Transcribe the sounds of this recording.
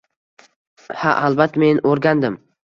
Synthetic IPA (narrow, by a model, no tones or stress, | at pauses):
ha̰ʔalbat̪ʰːmenoɾɡʲand̪ɪm